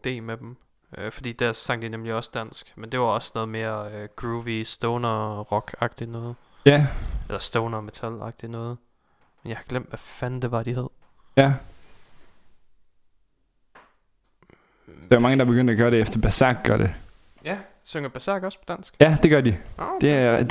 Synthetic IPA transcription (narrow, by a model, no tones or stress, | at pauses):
d̥e̝̰ːmed̥em | øfɒd̥ḭːd̥æɐ̰sɑ̈ŋ̰d̥inemliɒ̽sd̥æn̰sɡ̥mend̥e̝ʋɑ̈ɒ̽snɔ̽ːð̞̩ˠme̝ːɐɡ̥uʋisd̥ɔʊnɐʁɒ̽ɡ̥ɑ̈ɡ̥d̥inɔ̽ːð̩ˠ | jæelɐsd̥ɔʊnɐme̝t͡sʰælɑ̈ɡ̥̚d̥inɔ̽ːð̞̩ˠ | menjɑ̈ɪhɑ̈ɡ̥lem̰d̥ʋæfænd̥e̝ʋɑ̈d̥ihæð̞̰ˠ | jæ | d̥eʋmɑ̈ŋəd̥ɑ̈b̥e̝ɡ̥øn̰d̥æɡ̥ɶɐɾeefd̥ɐb̥æsɑ̰ːɡ̥ɡ̥ɶɐɾe̝ | jæ | søŋɐb̥æsɑɡ̥ɒ̽spʰɒ̽d̥æn̰sɡ̥jæd̥e̝ɡ̥ɶɐdid̥ed